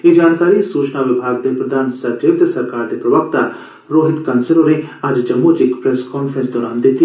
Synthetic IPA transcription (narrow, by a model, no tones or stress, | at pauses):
jed͡ʒaːnkaːɾisuːt͡ʃnaʋɪbʱaːɡd̪epɾɐd̪ʱaːnsɐɾd͡ʒeːʋd̪sɐɾkaːɾd̪epɾɐʋəkt̪a | ɾoːɦɪt̪kɐnsəɾoneaːd͡ʒd͡ʒɐmːut͡ʃekpɾeskɔːnpʰɾə̃nsd̪ɔːɾaːnd̪eːt̪i